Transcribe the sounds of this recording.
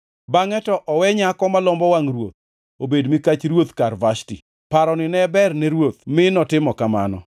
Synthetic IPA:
baŋɛtɔʔɔwɛɲakɔmalɔmbɔwaŋrwot̪̚ | obedmɪkat͡ʃɾwot̪karvaʃtḭ | paɾɔnɪnɛbɛrnɛɾwot̪̚mɪnɔtɪmɔkamanɔ̰

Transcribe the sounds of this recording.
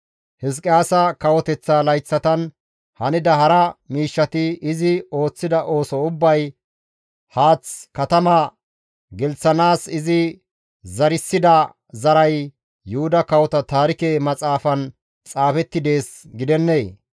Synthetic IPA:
hɪs̬kʼɪaːsɐkɐwɔt̪ɛt͡sːalɐjt͡sːɐt̪ɐn | hɐnɪd̪ɐɦɐɾɐmiːʃːɐt̪ɪɪzɪo̞ːt͡sːɪd̪ɐʔo̞ːsɔʊbːɐj | haːt͡skɐt̪ɐmɐ | ɡɛlt͡sːɐnaːsɪzɪ | zɐɾɪsːɪd̪ɐ | zɐɾɐj | jʊhʊd̪ɐkɐwɔt̪ɐt̪aːɾɪkeːmɐt͡sʼaːfɐn | t͡sʼaːfɛt̪ːɪd̪e̞ːs | ɡɪd̪ɛnːeː

